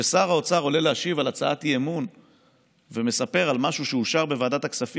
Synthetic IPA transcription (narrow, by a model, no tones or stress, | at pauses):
esaʁaot͡saʁo̞le̞leaʃivalat͡saatiemun | ve̞me̞sape̞ʁalmaʃuʃeuʃaʁbe̞vaːdat̪aksafi